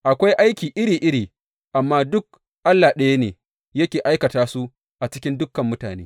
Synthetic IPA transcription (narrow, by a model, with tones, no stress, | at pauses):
ʔa˨kʷa˦jʔa˦jkʲiː˨ʔɪ˦ɽiː˨ʔɪ˦ɽiː˨ | ʔa˨mːaː˦dʊ˦k̚ | ʔa˦lːa˨ɗɐ˦ja˦nḛː˨ | jɐ˦kʲeː˨ʔa˦jkɐ˨taː˦su˦ | ʔa˨t͡ʃɪ˦kʲɪ˦ndʊ˦kːɐ˨mːʊ˦ta̰ː˨neː˦